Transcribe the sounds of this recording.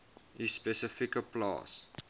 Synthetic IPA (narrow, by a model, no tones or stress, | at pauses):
ispɛsəfikəplɑ̰ːs